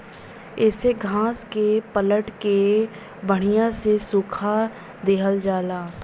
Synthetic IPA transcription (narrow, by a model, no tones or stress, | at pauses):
ɪseɡʱãːskepələʈke | bəɽ̤̃ijãsesʊːkʰa | d̪eːɦəld͡ʒaːlaː